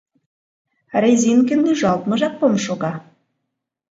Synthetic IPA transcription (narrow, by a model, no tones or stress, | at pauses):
rezʲinkɘ̆nːyʒɑlˠt̪mɤ̆ʒɑk̚pomʃoɣɑ